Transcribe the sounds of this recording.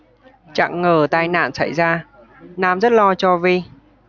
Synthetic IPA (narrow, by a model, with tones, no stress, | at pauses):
t͡ɕa̰˧˨ŋːəː˨˩t̪aː˧jna̰ː˧˨nsa˧˩jzaː˧ | naː˧mzə˦˥t̚lɔ˧t͡ɕɔ˧vi˧